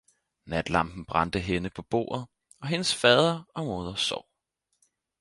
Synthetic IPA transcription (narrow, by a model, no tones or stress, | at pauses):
næd̥lɑ̈mb̥n̩b̥ʁɑ̈nd̥əɦenəpʰɒ̽b̥o̝̰ːɐð̞ˠ | ɒ̽ɦe̝nəsfɛːð̞ˠɐɒ̽mo̝ð̞ˠɐsɒʊ̰